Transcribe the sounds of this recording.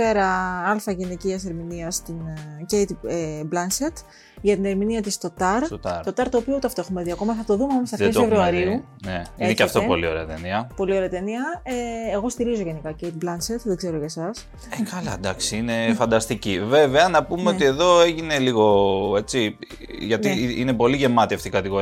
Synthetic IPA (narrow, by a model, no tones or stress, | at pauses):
e̞ɾɐɐlfɐʝeneciɐse̞ɾminiɐst̪incejt̪eblɐnset̪ | ʝɐt̪ine̞ɾminiɐt̪ist̪o̞t̪ɐɾt̪t̪o̞t̪ɐɾt̪o̞ːpiout̪eɐft̪oexume̞ðiɐko̞mɐθɐt̪oðumemɐmost̪ɐfesfevɾuɐɾiu | neiecɐft̪opo̰lio̞ɾḛɐt̪ḛniɐpo̞lio̞ɾe̞ɐt̪eniɐeeɣo̞st̪iɾizo̞ʝe̞nikɐcejt̪̚blɐnset̪ðeɡze̞ɾo̞ʝɐsɐs | ekɐlɐ̰d̪ɐksiine̞fɐnd̪ɐst̪iciveveɐnɐpumeot̪ie̞ðo̞eʝineliɣo̞e̞t͡si | ʝɐt̪iine̞po̞liʝe̞mɐt̪ieft̪ikɐt̪iɣoɾi